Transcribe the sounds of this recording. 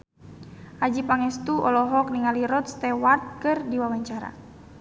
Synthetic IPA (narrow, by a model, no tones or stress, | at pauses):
ʔad͡ʒipaŋɛst̪uʔɔlɔɦɔk̚niŋaliɾɔt̪̚st̪ɛwart̪̚kɨrdiwawaɲt͡ʃaɾa̰